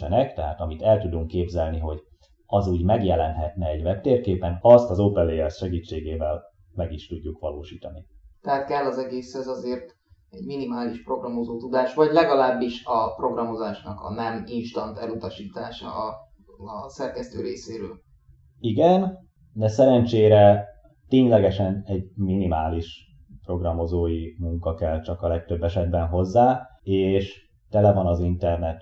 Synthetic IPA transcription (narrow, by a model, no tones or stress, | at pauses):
ɛnɛkt̪ɛɦa̰ːt̪ɒmit̪ɛlt̪ud̪uŋkːeːbzɛlniɦo̞ɟ | ɒzuːɟmɛɡjɛlɛnɦɛt̪nɛɛɟvɛpt̪eːrkeːpɛnɒst̪ɒzoːpɛlːejɛrsʃɛɡiːt͡ʃːeːɡeːvɛl | mɛɡiʃt̪uɟːukʋɒloːʃiːt̪ɒnit̪ɛɦaːt̪kɛlːɒzɛɡeːshɛzɒzeːrt̪ | ɛɟminimaːliʃpro̞ɡrɒmo̞zoːt̪ud̪aːʃʋɒɟlɛɡɒlaːbːiʃɒpro̞ɡrɒmo̞zaːʃnɒkɒ̰nɛminʃt̪ɒnt̪ɛlut̪ɒʃiːt̪aːʃɒ̰ | sɛrkɛst̪øːɾeːseːɾøːl | iɡɛn | d̪ɛsɛɾɛnt͡ʃeːɾɛ | t̪eːɲlɛɡɛʃɛnɛɟminimaːliʃ | pro̞ɡrɒmo̞zoːjimuŋkɒkɛlt͡ʃɒkɒlɛk̚t̪ø̞bːɛʃɛd̪bɛnɦo̞zːaːeːʃ | t̪ɛlɛvɒnɒzint̪ɛrnɛt̪